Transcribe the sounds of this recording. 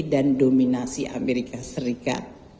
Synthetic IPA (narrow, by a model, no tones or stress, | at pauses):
dandominasiʔa̰meɾikasəɾika̰t̪̚